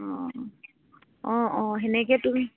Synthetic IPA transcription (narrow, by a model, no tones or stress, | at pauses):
ɔ | ɔ̃ɔ̃ɦɛnɛkɛtʊ